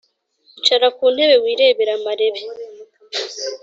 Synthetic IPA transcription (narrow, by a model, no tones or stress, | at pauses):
it͡ʃaɾakuːn̥he̞βe̞wiːɾe̞ːβeɾamaɾe̞βe